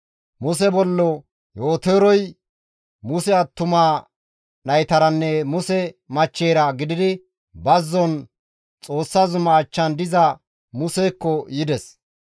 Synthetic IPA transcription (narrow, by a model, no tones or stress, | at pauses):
mʊs̬ɛbɔlːɔ | jo̞ːt̪eːɾɔj | mʊsɛɐt̪ːʊmaː | nɐjt̪ɐɾɐnːɛmʊsɛmɐt͡ʃːeːɾɐɡɪd̪ɪd̪ɪ | bɐzːɔn | t͡sʼoːsːazʊmɐːt͡ʃːɐnd̪ɪzɐ | mʊsɛːkːɔjɪd̪ɛs